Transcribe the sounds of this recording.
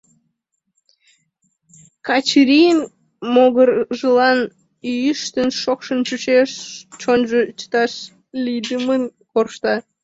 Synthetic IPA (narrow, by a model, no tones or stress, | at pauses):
kɑt͡ɕɾʲijən | moɣərʒəlɑn | yjəʃt̪ənʃokʃənt͡ɕut͡ɕeʃt͡ʃonʒət͡ʃə̥t̪ɑʃ | lʲid̪əmənkorʃt̪ɑ